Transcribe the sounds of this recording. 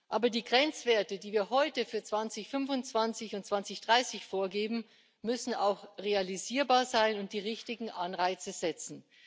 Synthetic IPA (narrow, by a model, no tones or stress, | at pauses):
ʔaːbɐdiːɡʁɛnt͡sv̥eːɐtədiːviːɐɦɔʏtəfyːɐt͡sv̥ant͡sɪçfʏnvʊnt͡sv̥ant͡sɪçʊnt̚t͡sv̥ant͡sɪçd̥ʁaɪsɪçfoːɐɡeːbm̩ | mʏsn̩a̰ʊxʁealiziːɐbaːɐzaɪnʊnt̚d̥iːʁɪçtɪɡŋ̩ʔanʁaɪt͡səz̥ɛt͡sn̩